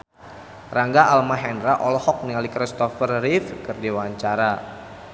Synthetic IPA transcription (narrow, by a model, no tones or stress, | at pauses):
raŋɡaʔalmaɦɛndɾaʔɔlɔhɔk̚niŋalikɾist̪ɔfərːifkɨrdiwaɲt͡ʃaɾa